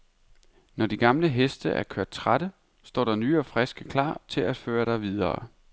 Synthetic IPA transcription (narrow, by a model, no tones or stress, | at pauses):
nɒd̥iɡ̥ɑ̈mləɦesd̥əʔæɐkʰøɐd̥̚t͡sʰʁad̥ə | sd̥ɒ̰ːɾ̥ɑ̈nyːɒfʁɛsɡ̥əkʰlɑ̰̈ːt͡sʰe̝læd̥føːɐɾ̥ɑ̈ɪʋið̞ˠɐ̰ː